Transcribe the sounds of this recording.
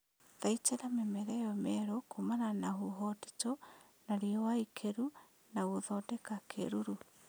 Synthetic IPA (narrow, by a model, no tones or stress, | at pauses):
ðait͡ʃɛɾamɛmɛɾɛjɔmɛɾokʰomananahuɦɔti̥to | naɾiɔwaikʰeɾu | naɣoðɔdɛkakʰḛɾuɾu